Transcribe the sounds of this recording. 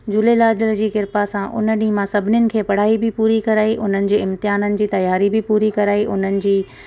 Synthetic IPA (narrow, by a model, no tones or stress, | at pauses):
d͡ʑʊlelaːdəld͡ʑiːkɪɾpasãʔʊ̰nə̆ɗĩːmãsɐbʱɪnɪjʊnɪ̆kʰeːpɐɽ̤aːibʱɪpuːɾikɐɾaːiʔʊn̤ənɪ̆d͡ʑeːɪ̃mt̪ɪɦaːnənɪ̆d͡ʑiːt̪ɐjaːɾibʱɪpuːɾikɐɾaːiʔʊn̤ənɪ̆d͡ʑiː